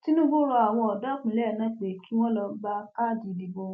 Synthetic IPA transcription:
ti˦nũ˦bo˦ɾɔ˧a˨w̃ɔ̃˧ɔ˨da˨˦k͡pũ˨lɛ˦˨nã˦k͡pe˨ki˨˦w̃ɔ̃˦lɔ˧ɡ͡ba˦ka˦˨di˨di˨bo˧

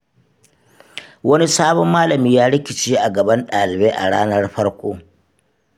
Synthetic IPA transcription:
wɐ˦ni˦saː˦bɔ˦mːaː˦lɐ˨miː˦jaː˦ɽɪ˦kʲɪ˨t͡ʃiː˦ʔa˨ɡɐ˨bɐ˦nɗaː˨lɪ˨beː˦ʔa̰˨ɽaː˦nɐ˦rɸɐ˦ɽkʷoː˦

